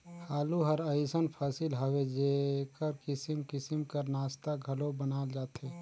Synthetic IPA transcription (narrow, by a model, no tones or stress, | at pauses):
haːluɦəɾəɪsənpʰaːsɪlɦəwed͡ʒekəɾkɪsɪmkɪsɪmkəɾnaːst̪aɡʱəlobənaːld͡ʒaːt̪ɦɛː